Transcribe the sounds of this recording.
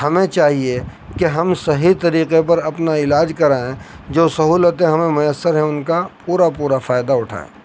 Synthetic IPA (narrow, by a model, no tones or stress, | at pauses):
hɐmẽt͡ʃaːɦie | keɦɐmsɐɦit̪ɐɾiːqep̬ɐɾɐpnaɪlaːd͡ʒkɐɾaːẽ | d͡ʒoːsɐɦuːlət̪ẽɦɐmẽmʊjəsːəɾɦɛ̃ʊnkapuːɾapuːɾafaːɪd̪aʊʈʰa̰ːḛː